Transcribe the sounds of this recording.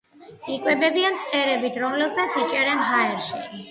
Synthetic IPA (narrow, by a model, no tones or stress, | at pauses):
ikʼwɛbɛbiant̪sʼɛɾɛbit̪ʰɾɔmlɛbzat̪sʰit͡ʃʼɛɾɛnɦaɛɾʃḭ